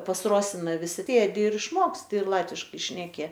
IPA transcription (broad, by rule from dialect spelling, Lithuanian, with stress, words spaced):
pɐs ˈroːsʲɪnɐ ʋʲɪˈsʲɪ ˈsʲeːdʲɪ ɪr ɪʃˈmoːksʲtʲɪ ɪr ˈlˠɑːtʲʋʲɪʃkɐɪ ʃʲnʲɛˈkʲɪ